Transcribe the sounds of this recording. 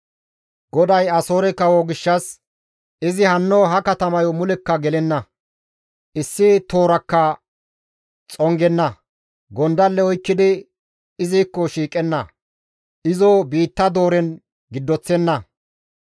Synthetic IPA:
ɡ̥ɔd̪ɐjɐso̞ːɾɛkɐwoɡɪʃːɐs | ɪzɪhɐnːoɦɐkɐt̪ɐmɐjɔmʊlɛkːɐɡɛlɛnːɐ | ʔɪsːɪt̪o̞ːɾɐkːɐ | t͡sʼɔŋɡɛnːɐ | ɡɔnd̪ɐlːɛɔjkːɪd̪ɪ | ɪzijkːɔʃiːkʼɛnːɐ | ʔɪzɔbiːt̪ːɐd̪o̞ːɾɛn | ɡɪd̪ːɔt͡sːɛnːɐ

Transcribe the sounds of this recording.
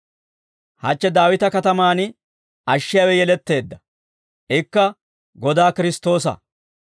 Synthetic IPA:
hɐ̰t͡ʃːɛd̪aːwɪt̪ɐkɐt̪ɐmaːn | ʔɐʃːɪjaːwɛjɛlɛt̪ːe̞ːd̪ːɐ | ʔɪkːɐ | ɡɔd̪aːkɪɾɪst̪o̞ːs̬ɐ̰

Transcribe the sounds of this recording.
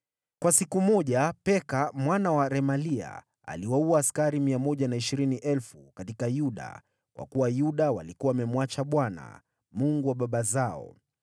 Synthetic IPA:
kwasikumɔʄapɛkamwanawaɾɛmalia̰ | a̰liwauaːskaɾimiamɔʄanaiʃiɾiniʔɛlfukatikajuɗa̰ | kwa̰kuwajuɗawalikuwaamɛmwat͡ʃaɓwana̰ | muŋɡuwaɓaɓazaɔ̰

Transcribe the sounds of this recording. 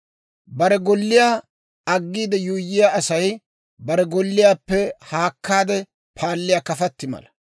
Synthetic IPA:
bɐɾɛɡɔlːɪjaː | ɐɡːiːd̪ɛjuːjːɪjaʔɐsɐj | bɐɾɛɡɔlːɪjaːpːɛhaːkʰːaːd̪ɛ | pʰaːlːɪjaːkɐfɐt̪ːɪmɐ̰lɐ̥

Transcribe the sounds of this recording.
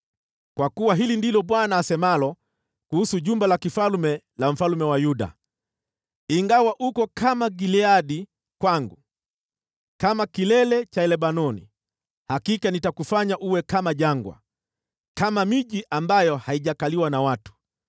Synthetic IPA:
kwakuwaɦilindilɔɓwanaːsɛmalɔ | kuhusuʄumbalakifalumɛ | lam̩falmɛwajuɗa̰ | iŋɡawaʔukɔkʰamaɡiliaɗi | kwaŋɡu | kamakilɛlɛt͡ʃaɛlɛɓanɔnḭ | hakikanitakufaɲaʔuwɛkamaʄaŋɡwa̰ | kamamiʄiʔambajɔhaiʄakaliwanawatu̥

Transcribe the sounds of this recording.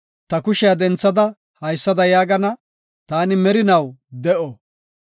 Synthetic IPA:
t̪ɐkʊʃɛjad̪ɛnt͡sːɐd̪ɐ | hɐjsːɐd̪ɐjaːɡɐnɐ | t̪aːnɪmɛɾɪnɐwd̪ɛʔɔ

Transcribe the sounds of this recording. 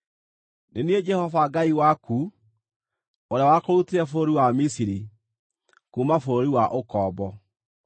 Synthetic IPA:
nenied͡ʒɛhɔvaɡaiwaku | oɾeawakoɾuteɾɛfooɾiwamisiɾi | kumafoɾoɾiwaʔokɔːbɔ

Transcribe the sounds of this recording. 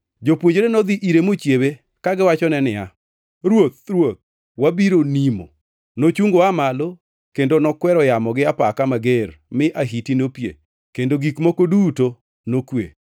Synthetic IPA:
d͡ʒopwoɲd͡ʒɾenɔd̪iʔiɾemot͡ʃjewe | kaɡɪwat͡ʃɔnɛnɪja | ɾwot̪̚ɾwot̪̚ | wabiɾonimo̰ | not͡ʃuŋɡoamalo | kendonɔkwɛɾɔjamɔɡɪapakamaɡermɪʔaɦitinopjḛ | kendoɡikmokoduto | nokwḛ

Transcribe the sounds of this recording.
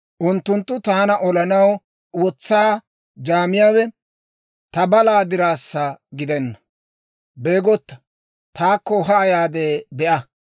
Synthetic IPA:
ʔʊnt̪ːʊnt̪ːʊt̪aːnɐʔɔlɐnɐw | wɔt͡sːaː | d͡ʒaːmɪjaːwɛ | t̪ɐbɐlaːd̪ɪɾaːsːɐɡɪd̪ɛnːɐ | be̞ːɡɔt̪ːɐ̥ | t̪aːkːɔɦɐːjaːd̪eːbɛʔɐ

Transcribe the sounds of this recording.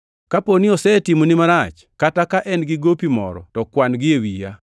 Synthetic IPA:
kaponɪɔsɛtimonɪmaɾat͡ʃ | katakaʔɛnɡɪɡopimɔ̰ɾɔ̰tɔkwanɡɪewija

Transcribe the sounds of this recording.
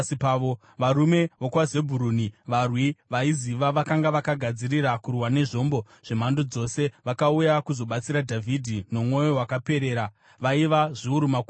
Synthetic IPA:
ipao | ʋaɾume̞ʋokwaze̞bʱuɾuːniʋarwiʋaiziʋaʋakaŋɡaʋakaɡʱad͡ziɾiɾakurwane̞ʐo̞mbo̞ | ʐ̥e̞m̤andod͡zo̞se̞ʋakaujakuzo̞ɓat͡siɾadʱavʱidʱino̞mwo̞jo̞ɦwakape̞ɾe̞ːɾa | ʋaiʋaʐiuɾumak

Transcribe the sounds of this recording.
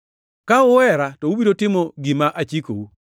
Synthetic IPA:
kaʊwɛɾatoubidotɪmoɡimaʔat͡ʃiko̰u

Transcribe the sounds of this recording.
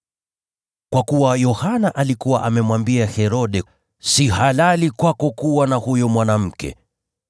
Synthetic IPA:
kwakuwajɔhanaʔalikuwaʔamɛmwambiahɛɾɔɗɛ | sihalalikwakɔkuwanahujɔmwanam̩kɛ̰

